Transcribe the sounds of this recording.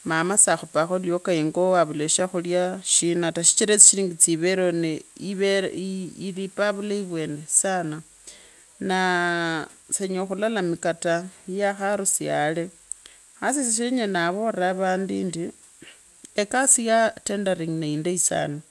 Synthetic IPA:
mamasaxupaxoljokaiŋɡowaβuleʃaxuljaʃinataʃi̥t͡ʃiɾet͡si̥ʃiɾiːŋɡit͡siβeɾoneiβeilipaβulaiβwe̞nesana | na | seɲoxulalamikatajaxaɾusijale̞ | xasisiʃeɲenaβoraːβaːndiːndi | ekasijatendaɾiŋnaindeisa̰ːna

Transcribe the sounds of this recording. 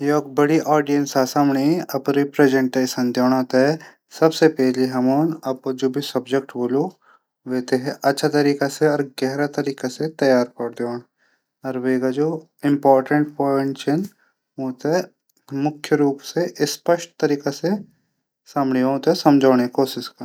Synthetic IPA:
jeok̚bəɽiʔɔːɖijə̃nsaːsaːmɳiɐpɾipɾeːd͡ʒẽɳʈeːʃənd̪joːɽ̃ãːt̪eɦɛ | sɐbsepɛɦliɦɐmoːnɐp̚d͡ʒoːbʱisɐbd͡ʒek̚ʈboːlo | ʋeːt̪eɦɛʔɐtːʃʰat̪ɐɾiːkaseɔːɾɡɛɦɾat̪ɐɾiːkaset̪ɐjaːɾpɐɽd̪eoːn | ɔːɾʋeːɡad͡ʒoː | ɪ̃mpɔːɾʈə̃ɳʈ̚pɔːɪɳʈt͡ʃən | ɦoːt̪ɛ | mʊkʰjəɾuːpseʔɪspəʃʈ̚t̪ɐɾiːkase | saːmɳiɦõːt̪ɛsɐmd͡ʒʱaːɽ̃ekoːsɪskɐ

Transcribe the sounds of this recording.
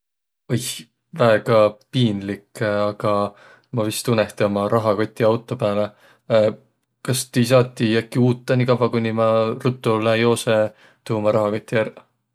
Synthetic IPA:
oj | væeɡ̥ɑpiːnlikɑɡ̥ɑ | mɑvist̪uneht̪eomɑɾʔɑɦɑko̞t̪ʲːˑiɑwt̪ːˑo̞pæːle | kɑst̪ijs̬ɑːt̪ʲːˑijækːiuːt̪ˑːɑnikɑvɑkunʲːimɑrut̪ːˑulejo̞ːse | t̪uhumɑɾɑɦɑkot̪ʲːijær

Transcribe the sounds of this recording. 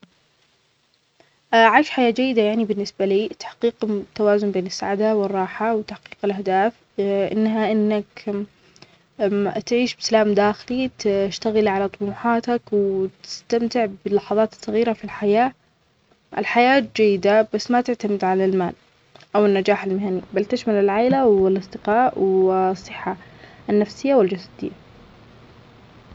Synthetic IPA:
ʔʕajʃħajaːd͡ʒajːɪd̪ajaʕnibɪnːɪsbaliːt̪ḁħqiːqt̪ːawaːzʊmbeːnɪsːa̰ʕad̪awɪrˤːɑːħawt̪aħqiːqɪlʔahd̪aːf | ʔɪ̰nːɦaʔɪnːak | t̪ʕiːʃbɪsalaːmd̪aːxɪlit̪ʃt̪aɣɪlʕalat̪ˤʊmuːħɑːt̪akwt̪ɪ̥st̪amt̪ɪʕbɪlːɑħɑðˤɑːt̪ɨ̥sˤːɑɣiːɾafilħajaː | ʔɪ̰lħajaːt̪̚d͡ʒajːɪd̪abasːmat̪ɪʕt̪amɪd̪ʕalalma̰ːl | ʔawɪnːad͡ʒaːħalmɪhanibalt̪ɪʃmalɪlʕaːɪlawɪlɑsˤd̪ɪqɑːʔwsˤːɨħːanːafsɪjːawɪld͡ʒasḁd̪ɪjːa

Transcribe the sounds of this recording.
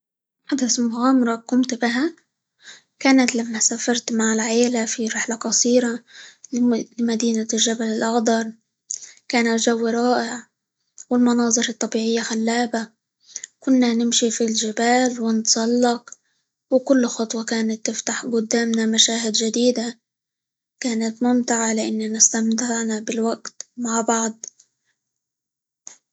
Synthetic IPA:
ħad̪asmʊɣaːmɾˤɑkʊmt̪bɪɦa | kaːnat̪lamːasaːfɑɾˤt̪maʕɪlʕeːlafiɾɪħlaqɑsˤiːɾa | lmad̪iːnalʒabalɪlʔɑxd̪ˤɑɾˤ | kaːnat̪ʒawːɾˤɑːʔɪʕ | wɪlmʊnɑːzˤɨɾɨt̪ˤːɑbiːʕɪjːaxalːaːba | kʊnːanɪmʃifilʒɪbaːlwɪnt̪sˤɑlːɑq | wkʊlːxɑt̪ˤwakaːnat̪ːɪft̪aħɡʊd̪ːaːmnamaʃaːɦɪd̪ʒad̪iːd̪a | kaːnat̪mʊmt̪ɪʕalɪʔanːanɪst̪amt̪ɪʕnabɪlwaɡt̪maʕbɑʕd̪ˤ

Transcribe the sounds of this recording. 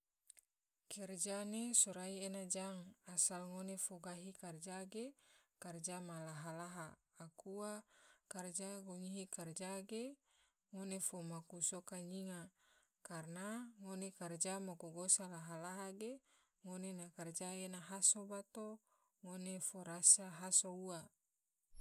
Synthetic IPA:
kɛrd͡ʒanesoɾaienad͡ʒaŋasalŋonefoɡaɦikard͡ʒaɡekard͡ʒamalaɦalaɦaː | kuakard͡ʒaɡoŋiɦikard͡ʒaɡe | ŋonefomakusokaɲiŋa | karnaŋonekard͡ʒamakoɡosalaɦalaɦaɡe | ŋonenakard͡ʒaenaɦasobat̪o | ŋonefoɾasaɦasoua

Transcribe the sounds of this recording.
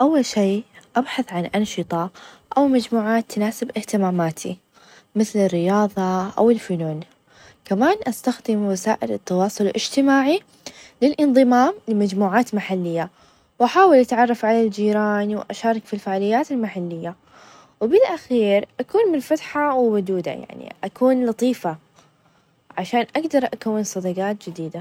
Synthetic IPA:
ʔawːalʃeːʔabħaθʕanʔɑnʃɨt̪ˤɑ | ʔawmad͡ʒmuːʕaːt̪ːnaːsɪbʔɪht̪ɪmaːmaːt̪ʰḭ | mɪθlɪrːɪjɑːðˤɑʔa̰wɪlfʊluːn | kamaːnʔast̪axd̪ɪmwasaːʔɪlɪt̪ːɑwɑːsˤʊlʔɪ̰d͡ʒt̪ɪmaːʕi | lɪlʔɪnðˤɨmaːmlɪmad͡ʒmuːʕaːt̪maħalːɪjːa | wʔaħaːwɪlʔat̪ʕɑrˤːɑfʕalald͡ʒiːɾaːnwʔaʃɑːɾˤɑkfilfaʕalɪjːaːt̪ɪlmaħalːɪjːa | wbɪlʔaxiːɾʔakuːnmɪnfat̪ħawɪwʊd̪uːd̪a̰ja̰ʕnḭʔakuːnlɑt̪ˤiːfa | ʕaʃaːnʔaɡd̪ɑɾˤʔakawːɪnsˤɑd̪ɑɡɑːt̪̚d͡ʒɪd̪iːd̪a

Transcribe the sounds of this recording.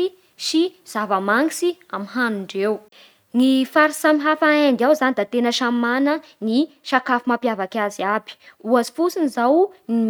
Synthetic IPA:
i | ʃiz̥avəmaŋisiamiɦanuɳɖ͡ʐew | nifaɾisamiɦafaend̪iawzanid̪at̪enəʃamanə | ni | ʃakafumapjavakaziabi̥uazi̥fusinizawnim

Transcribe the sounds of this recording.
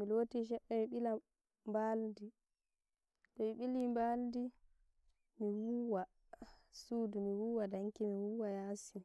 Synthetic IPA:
milotiʃ̬ɛɓːɛmiɓila | mbaldi | tɔmiɓilimbaldi | miwuwa | suːdumiwuːwadaŋkimiwuːwajaːsi

